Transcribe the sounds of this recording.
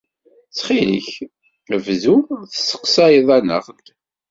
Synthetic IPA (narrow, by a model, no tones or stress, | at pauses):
t͡sχilḭç | əvðuθə̥sə̥qsæjəðˤænə̰ʁnt̪